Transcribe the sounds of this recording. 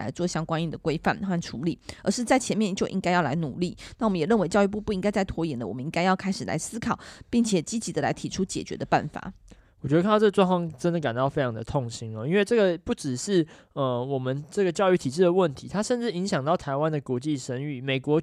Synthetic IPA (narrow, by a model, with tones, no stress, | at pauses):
la̰˧˥ɪt͡swɔ˥˩ɕjɑ˥˧ŋkwa˥˦ni˥˩d̪ə˩kwe˥ɪfa˥˩nxa˥˩nʈ͡ʂʰu˧˥li˨˩˦ə̰˞˧˥ʂɻ̩˥˧t͡sa˥˩ɪt͡ɕʰjɛ˧˥nmjɛ˥˧nt͡ɕjo˥˧ʊʔḭ˦˥ŋka˥ɪjɑ˥˩ʊla̰˧˥ɪnu˨˩li˥˩na˥˩wmə˦jɛ˨˩ɻə˥˩nwe˧˥t͡ɕɑ˥˧ʊy˥˧p̬u˥˧pu˥˩i˥ŋka˥ɪt͡sa˥˩ɪt̪ʰwɔ˧˥jɛ˨˥nd̪ə˨wɔ˨˩mə˦ni˥ŋka˥ɪjɑ˥˩ʊkʰa˥ɪʂɻ̩˨˩la̰˧˥ɪsɹ̩˥kʰɑ˨˩ʊpi˥˩ŋt͡ɕʰjɛ˨˩t͡ɕi˦˥t͡ɕi˧˥d̪ə˧la̰˧˥ɪt̪ʰi˨˩ʈ͡ʂʰu˥t͡ɕjɛ̰˨˩t͡ɕɥɛ̰˧˦d̪ə˧pa̰˥˩nfa̰˨˩˦ | wt͡ɕɥ̪k̪ʰɤ˥˩ɡə˧ʈ͡ʂwɑ˥ŋfɑ˥ŋʈ͡ʂə˥nd̪ə˨ka˨nt̪ɑ˥˩ʊfe˥ɪʈ͡ʂʰɑ˧˥ŋd̪ə˧t̪ʰo˥˧ŋɕi˦ŋə˨˧i˥nwe˥˧ɪʈ͡ʂɤ˥˩ɡə˨˩pu˥˩ʈ͡ʂɻ̩˨˩ʂɻ̩˥˩ | ə˧wɔ˨˩mə˦nʈ͡ʂə˥˩ɡə˩t͡ɕjɑ˥˧ʊy˥˩t̪ʰi˨˩ʈ͡ʂɻ̩˥d̪ə˩wə˥˩nt̪ʰi˧˥t̪ʰa˥ʂə˥˧nʈ͡ʂɻ̩˥˩i˧˥ŋɕjɑ˨˩ŋt̪ɑ˥˩ʊt̪ʰa˧˥ɪwa˦nd̪ə˨kwɔ˧˥t͡ɕi˥˨ʂə˧˦ny˥˩me˨˩ɪkwɔ˧˥